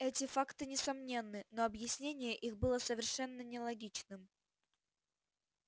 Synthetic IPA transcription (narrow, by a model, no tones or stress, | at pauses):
ɛtʲɪfakt̪ɨnʲɪsɐmnʲe̞nːɨnoɐbjɪsʲnʲenʲɪjəʔixbɨlˠəsəvʲɪrʂɛnːənʲɪlˠɐɡʲit͡ɕnɨm